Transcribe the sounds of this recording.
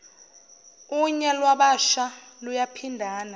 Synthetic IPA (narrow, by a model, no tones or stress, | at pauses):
uɲɛlwaɓaʃalujapʰindʱaːna